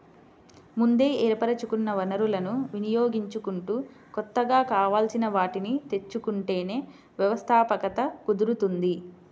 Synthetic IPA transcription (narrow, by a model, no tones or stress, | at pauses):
mund̪e̞ːʔeːɾpɐɾɐt͡ʃukunːɐʋɐnɐɾulɐnuʋinijoːɡiɲt͡ʃukuɳʈu | kɔt̪ːɐɡaːkaːʋaːlsinɐʋaːʈinit̪e̞t͡ʃːukuɳʈe̞ːne̞ː | ʋjɐʋɐst̪ʰaːpɐkɐt̪ɐkud̪uɾut̪und̪i